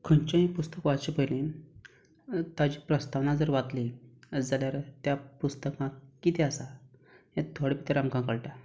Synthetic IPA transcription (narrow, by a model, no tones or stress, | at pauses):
kʰəɳt͡ɕãɦĩpust̪əkʋat͡ɕipəjlẽ | t̪ad͡ʑiːpɾəst̪aʋnad͡zəɾʋat̪liəd͡zaljaɾt̪japust̪əkãkːit̪easa | ɦẽt̪ʰːoɽepit̪eɾamkãŋkəɭʈa